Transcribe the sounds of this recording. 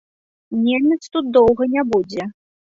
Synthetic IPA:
nʲenʲɛt̪st̪ut̪̚d̪ɔwɣɐnʲɛbud͡zʲɛ

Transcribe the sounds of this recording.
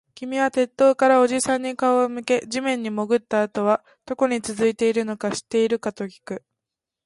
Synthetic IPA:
kʲimʲiβat̪e̞t̪ːo̞ːkaɾao̞ʑisãɲ̟ːikaomɯ̟ke̞ʑimẽ̞ɲ̟ːimo̞ɡɯ̟t̪ːaːt̪o̞βa | d̪̥o̞ko̞ɲ̟it͡sɨzɨit̪e̞iɾɯ̟no̞kaɕi̥t̪ːe̞iɾɯ̟kat̪o̞kʲi̥kɯ̟

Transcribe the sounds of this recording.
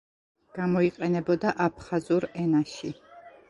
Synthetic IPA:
ɡ̥amɔiqʼɛnɛbɔd̪aʔap̚ʰχazuɾɛnaʃi

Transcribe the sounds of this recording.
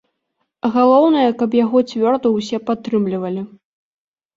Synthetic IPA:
ɣalˠɔwn̪ɐjɐkɐpjaɣɔt͡sʲvʲɔrd̪ɐwsʲɛpat̪ːɾɨmlʲivɐlʲi

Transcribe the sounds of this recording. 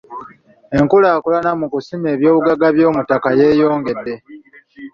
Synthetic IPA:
e̞ŋkulaːkulanamukusime̞ːβjo̞ːβuɡaɡaβjo̞ːmutakaje̞ːjo̞ːŋɡe̞dːe̞

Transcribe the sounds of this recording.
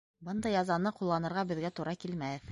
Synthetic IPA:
bɤnd̪ɑjɑzɑnɤqulˠːɑnɤ̆ɾʁɑbɘ̆ðɡæt̪uɾɑkilmæhɘð

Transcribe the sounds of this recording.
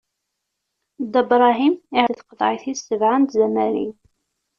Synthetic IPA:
d̪əbɾˤɑɦimiʕθqðˤʕiθisːəvʕant̪zæmæɾḭ

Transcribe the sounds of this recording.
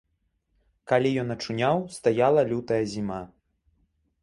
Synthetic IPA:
kalʲijɔnɐt͡ʂunʲawst̪ajalˠɐlʲut̪ɐjɐzʲima

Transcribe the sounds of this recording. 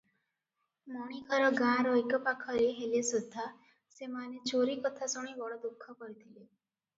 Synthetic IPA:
mɔɽ̃ikɔɾɔɡãɾɔjkɔpakʰɔɾeɦelesɔd̪ʱːa | semanet͡ʃoɾikɔt̪ʰasɔɽ̃ibɔɽɔd̪ukʰːɔkɔɾit̪ʰile

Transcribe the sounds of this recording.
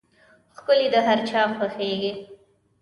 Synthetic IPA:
xkʊlid̪əɦaɾt͡ʃɑxəxeɡi

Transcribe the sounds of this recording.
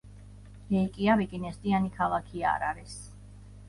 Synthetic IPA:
ɾɛikʼiaβikʼinɛst̪ʼianikʰalˠakʰia̰ɾaɾis

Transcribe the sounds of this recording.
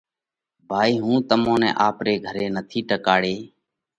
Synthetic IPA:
bʱaːiːɦũːt̪əmõːnɛ̰̃ːʔaːpɾeːɡʱəɾeːnət̪ʰiːʈəkaːɽeː

